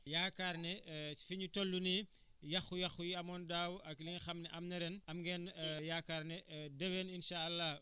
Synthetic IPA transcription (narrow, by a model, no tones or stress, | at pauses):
jaːkarnɛfiɲutɔlːuni | jɐxujɐxujiɐmɔːndaːwʔɐkliŋxɐmnɛʔɐmnɐɾɛnɐmɡɛːnjaːkːarnɛdɐwɛninʃaɐlːa